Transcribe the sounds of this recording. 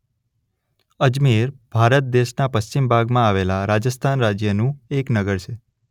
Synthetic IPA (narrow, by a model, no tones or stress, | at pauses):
əd͡ʒmiɾb̥ʱaɾət̪̚d̪eʃnapəst͡ɕimbʱaɡmãaʋelaɾad͡ʒəst̪ʰanɾad͡ʒjənũeknəɡəɾt͡ʃʰe